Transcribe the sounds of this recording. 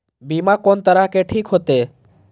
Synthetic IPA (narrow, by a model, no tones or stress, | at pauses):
bimakɔnt̪əɾakeʈʰikɦot̪e